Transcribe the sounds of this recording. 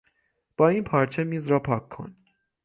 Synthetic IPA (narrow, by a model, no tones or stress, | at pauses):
b̥ɑinpʰɑɾt͡ʃʰɛmizɾɑpʰɑkʰːɑ̰n